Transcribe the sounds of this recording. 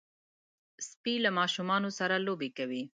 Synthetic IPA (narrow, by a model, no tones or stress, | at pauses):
spilamɑʃumɑnosaɾalobekawi